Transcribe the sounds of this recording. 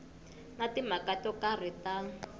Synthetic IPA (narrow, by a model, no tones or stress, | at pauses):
ŋatimakatɔkar̤itan